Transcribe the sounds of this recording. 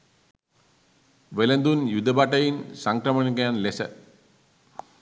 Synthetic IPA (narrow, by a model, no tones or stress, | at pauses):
ʋelənd̪unjud̪ʱəbaʈəjinsaŋkɾəməɳikɐjanlesə̰